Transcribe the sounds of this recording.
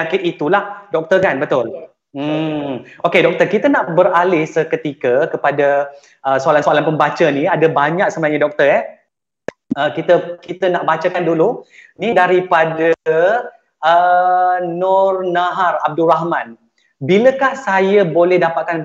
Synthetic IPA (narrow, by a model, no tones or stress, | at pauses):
akɪt̪it̪ulahdɔk̚t̪ərkanbət̪ʊl | m̩ | okedɔk̚t̪ərkit̪ənaʔbəɾalɪsəkət̪ikəkəpada | ʔəsoalansoalanpəmbat͡ʃəniadabaɲak̚səmənaɲadɔk̚t̪ərɛ | əkit̪əkit̪ənaʔbat͡ʃakandulunidaɾipada | ə | nɔrnaɦarab̚duraɦmãn | biləkahsajəbolɛhdapat̪̚kan